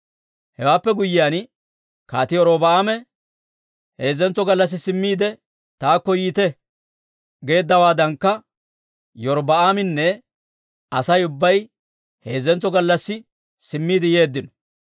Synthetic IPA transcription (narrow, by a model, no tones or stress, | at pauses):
hɛwaːpːɛɡʊjːɪjaːn | kaːt̪ɪɔɾoːbɐaːmɛ | he̞ːzːɛnt͡sɔɡɐlːɐs̬ːɪsɪmːiːd̪ɛ | t̪aːkːɔjiːt̪ɛ | ɡe̞ːd̪ːɐwaːd̪ɐŋkːɐ | jɔɾbɐaːmɪnːɛ | ɐsɐjʊbːɐj | he̞ːzːɛnt͡sːɔɡɐlːɐsːɪ | sɪmːiːd̪ɪje̞ːd̪ːɪnɔ̥